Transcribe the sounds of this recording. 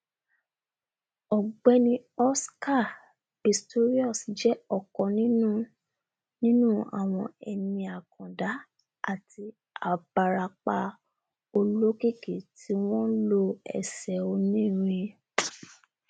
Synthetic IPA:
ɔ˨ɡ͡bɛ˧nĩ˧ɔ˦ska˦˨ | bi˨sto˦ɾi˦ɔ˦˨sd͡ʒɛ˦ɔ˨kɔ̃˧nĩ˦nũ˦ | nĩ˦nũ˦a̰˨w̃ɔ̃˧ɛ˧nĩ˧a˨kʰɔ̃˨da˨˦ | a˦˨tʰi˧ | a˨ba˧ɾa˧k͡pa˧ | o˧lo˦ke˦˨ke˨ti˦w̃ɔ̃˦lo˧ɛ̰˨sɛ˨o˧nĩ˦˨ɾ̃ĩ˧

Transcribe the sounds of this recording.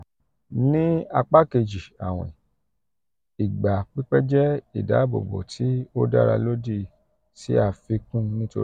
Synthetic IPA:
nĩ˦a˧k͡pa˦ke˧d͡ʒi˨a̰˨w̃ɛ̰̃˨ | i˨ɡ͡ba˨k͡pi˦k͡pɛ˦d͡ʒɛ˦ḭ˨da˨˦bo̰˨bo̰˨tʰi˨˦o˦da̰˦ɾa˧lo˦di˦˨ | tḭ˦a˧fi˧kũ˦nĩ˦to˧˦

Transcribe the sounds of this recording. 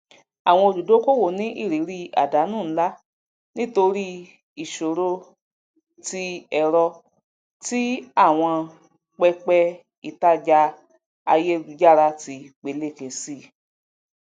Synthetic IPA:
a˨w̃ɔ̃˧o˧d͡ʒu˨do˨˦ko˦wo˨nĩ˨˦ʔi˦˨ɾi˨˦ɾi˦a̰˨da˨˦nũː˦˨˦la˦ | nĩ˦to˧ɾi˦ | i˨ʃo˨ɾo˧ | ti˧ɛ˨ɾɔ˧ | ti˦a˦˨w̃ɔ̃˧ | k͡pɛ˦k͡pɛ˦ | i˨ta˦d͡ʒa˧ | a˧je˦˨ɡu˧d͡ʒa˦˨ɾa˧ti˧k͡pe˨˧˦le˦˨ke˨si˦˨

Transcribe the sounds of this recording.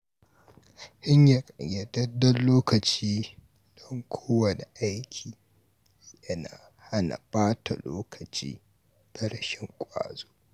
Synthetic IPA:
hɪ˦ɲja˨kʼɐ˨jɐ˨tɐ˦dɐ˦nloː˦kɐ˨t͡ʃiː˦ | d̥ɔ˦ŋkʷʰoː˦wɐ˨ne˨ʔa˦jkʲʰiː˨ | jɐ˦na̰ː˨ | ha˦na̰˨baː˦tʰa̰˨loː˦kʰɐ˨t͡ʃḭː˦ | tɐ˦ɽɐ˨ʃɪ˦ŋkʷʼa̰ː˨zo̥ː˦

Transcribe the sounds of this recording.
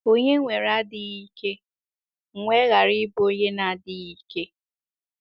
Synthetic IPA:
o˦ɲe˦ŋʷe˨ɾa˦dɪ˦i˦ke˦˨ | ŋʷe˦ɣa˨ɾi˦bo˦ɲe˦na˨dɪ˦i˦ke˦

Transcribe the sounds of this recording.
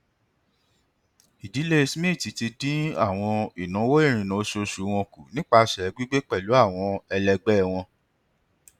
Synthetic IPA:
i˨di˨˦le˦i˦˧smĩ˦˨ti˨˧ti˧dĩ˦a̰˦˨w̃ɔ̃˧i˨nũ˨˦wo˦e˦˨ɾ̃ĩ˨nã˨˦ʃo˧ʃu˨˦w̃ɔ̃˧ku˨nĩ˦k͡pa˧˨ʃɛ˨˧ɡ͡bi˦ɡ͡be˦k͡pɛ˦˨lu˨˦a˦˨w̃ɔ̃˧ɛ˧lɛ˧ɡ͡bɛ˦˨w̃ɔ̃˧

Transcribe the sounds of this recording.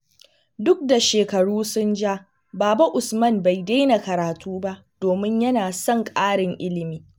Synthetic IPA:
dʊ˦k̚da˨ʃeː˨kɐ˨ɽuː˦sʊ˦nd͡ʒaː˦ | baː˨ba˦ʔʊ˨smɐ˦mba˨jda˦na˨kɐ˨ɾaː˨tʰuː˦ba˦ʔd̥oː˨mɪ˦ɲjɐ˦naː˨sɐ˦˨ŋkʼaː˦ɽɪ˨ŋʔɪ˦lɪ˨miː˨

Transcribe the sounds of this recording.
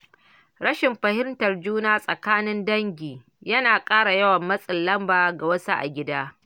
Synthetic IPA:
ɾɐ˦ʃɪ˨mɸɐ˨hɪ˦ntɐ˨rd͡ʒuː˦naː˦sʼɐ˨kaː˦nɪ˦ndɐ˦ŋɡʲiː˨ | jɐ˦naː˨kʼaː˦ɽa˨jɐ˦wɐ˨mːɐ˦sʼɪ˨lːɐ˦mbaː˨ɡa˨wɐ˦sa˦ʔa̰˨ɡʲɪ˦daː˦

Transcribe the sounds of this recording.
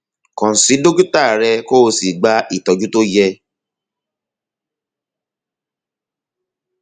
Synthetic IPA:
kɔ̃˨si˨˦do˦ɡu˦ta˦˨ɾɛ˧ko˦˧si˨ɡ͡ba˦ʔi˦˨tɔ˧d͡ʒu˦to˦jɛ˧

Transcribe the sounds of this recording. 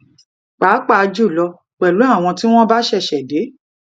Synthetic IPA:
k͡pa˨˦k͡pa˦˨˧d͡ʒu˦˨lɔ˧ | k͡pɛ˨lu˨˦a˦˨w̃ɔ̃˧ti˦w̃ɔ̃˦ba˦ʃɛ˦˨ʃɛ˨de˨˦

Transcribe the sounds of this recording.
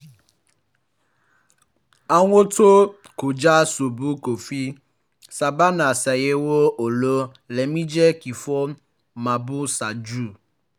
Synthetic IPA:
a˦ŋʷo˦to˦ | ko˨d͡ʒa˦so˨bu˦ko˨fi˦ | sa˨ba˦na˨sɛ˨je˦wo˦o˨lo˦ | lɛ˨mĩ˦d͡ʒɛ˦ki˨fɔ˦ | mã˨bu˦sa˨d͡ʒu˦˨

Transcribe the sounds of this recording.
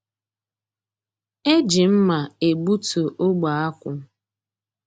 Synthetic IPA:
e˦d͡ʒɪ˨m̩˦ma˨e˨ɡ͡bu˦to˨ʔo˦ɡ͡ba˨a˦kʷʊ˦

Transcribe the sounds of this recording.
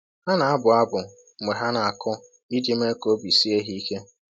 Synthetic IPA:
ha˦na˨a˦bʊ˨a˦bʊ˨˦ | mʷe˨ɦa˦na˨a˨kʰʊ˦ | i˦d͡ʒi˦m̩˦e˦ko˦bi˨si˦e˦ɦi˦i˦ke˦

